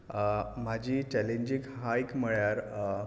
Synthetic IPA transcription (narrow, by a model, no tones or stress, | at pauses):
m̤ad͡ʑʱiːt͡ɕɛlẽɲd͡ʑikɦaikməɭjaɾ